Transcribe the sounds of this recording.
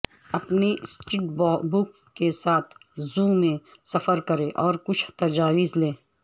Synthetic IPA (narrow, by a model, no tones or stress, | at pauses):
ɐpnesʈɾiːʈbɔːbʊkːesaːt̪ʰzũːmẽsɐfəɾkɐɾẽʔɔːɾkʊt͡ʃʰt̪ɐd͡ʒaːwɪzlẽː